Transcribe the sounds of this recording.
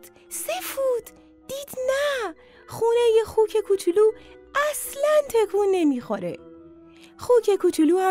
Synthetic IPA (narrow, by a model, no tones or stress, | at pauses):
sefuːd̪ | d̪̥iːd̪̥næ | xuːnejexuːcʰekʰut͡ʃʰuluː | æslænt̪ʰekʰuːnːemiːxoɾḛ | xuːcʰekʰut͡ʃʰuluːæ